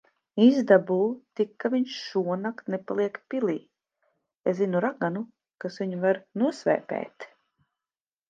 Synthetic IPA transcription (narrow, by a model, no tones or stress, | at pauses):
izd̪abult̪ikːaviɲʃʃuɔnakt̪nepalˠiɛkpiliː | eszinuɾaɡanu | kasviɲuvaɾnuɔsvɛ̰ːpɛ̰ːt̪